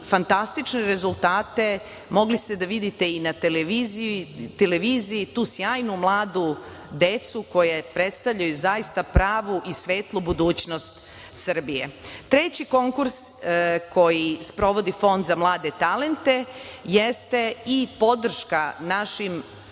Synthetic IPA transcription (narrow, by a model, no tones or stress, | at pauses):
fant̪ast̪it͡ʃneɾe̞zulˠt̪aːt̪e̞ | mo̞ɡlist̪e̞d̪aʋid̪it̪e̞inat̪eleʋizt̪eleʋiːziit̪uːsjaːjnumlˠaːd̪u | d̪e̞t̪suko̞jepɾet̪st̪aʋʎajuzaist̪apɾaːʋuʔisʋe̞ːt̪lˠubud̪uːt͡ɕnost̪ | sr̩bijḛt̪ɾet͡ɕiko̞ŋkuɾskʰo̞jispɾo̞ʋo̞d̪ifo̞nd̪zamlˠaːd̪e̞t̪ale̞nt̪e̞jest̪e̞ipo̞d̪r̩ʃkanaʃim